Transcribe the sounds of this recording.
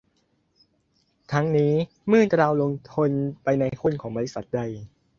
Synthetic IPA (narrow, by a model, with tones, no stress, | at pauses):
t̪ʰa˦˥ŋniː˦˥ | mɯː˥˩nt̪ɾaː˧wlo˧ŋt̪ʰo˧npa˧jna˧jkʰu˥˨nkʰɔː˩˦baː˧li˦˥sa˨˩t̪̚da˧j